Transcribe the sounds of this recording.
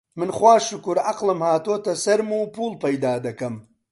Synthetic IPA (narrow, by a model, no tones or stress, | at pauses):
mɪnχwaːʃukuɾɐqlɐmhaːt̪oːt̪ɐsɐɾmupuːlpɐjd̪aːd̪ɐkɐm